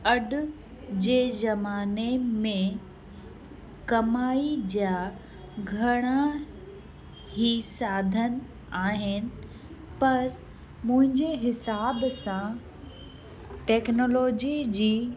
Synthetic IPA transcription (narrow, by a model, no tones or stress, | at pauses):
ɐɗʊ | d͡ʑeːzɐmaːnemẽ | kɐmaːid͡ʑaː | ɡʱɐɽ̃a | ɦiːsaːd̪ʱən̆ | aːɦɪnɪ̆ | pɐɾ | mʊ̃ɦɪ̃ɲd͡ʑeɦɪsaːbsã | ʈɛːknoːloːd͡ʑid͡ʑiː